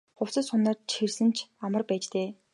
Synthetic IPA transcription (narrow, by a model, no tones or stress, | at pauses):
χʊw̥t͡sə̆sʊnaːrt͡ɕxersɘ̆nt͡ɕʰamə̆rpæːt͡ɕt̪eː